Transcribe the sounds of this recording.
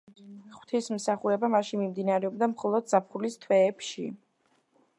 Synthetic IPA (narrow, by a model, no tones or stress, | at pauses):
χw̥t̪ʰismsaχuɾɛbamaʃinmimd̪inaɾɛɔbd̪amχɔlˠɔd̪zapʰχulist̪ʰwɛːpʃḭ